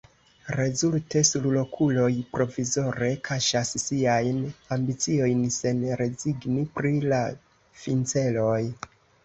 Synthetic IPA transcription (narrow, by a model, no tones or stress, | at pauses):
ɾe̞zulte̞sullo̞kʰulo̞jpɾo̞vizo̞ɾe̞kʰaʃassiajnambit͡sio̞jnse̞nɾe̞ziɡnipɾila | fint͡se̞lo̞j